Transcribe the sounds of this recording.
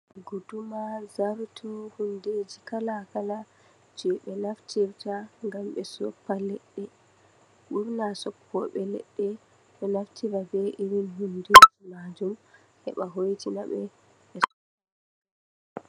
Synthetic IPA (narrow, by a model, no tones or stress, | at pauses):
ɡudumazaɾtʰuhunded͡ʒikalakala | d͡ʒɛɓɛnaftʰiɾtaŋɡamɓɛsɔpːalɛɗːɛ | ɓuɾnasɔpʰːɔɓɛlɛ̰ɗːɛ | ɓɛnaftʰiɾabɛʔiɾinɦundeːd͡ʒimad͡ʒum | hɛ̰ɓaɦojtinaɓɛ | ɓɛsɔk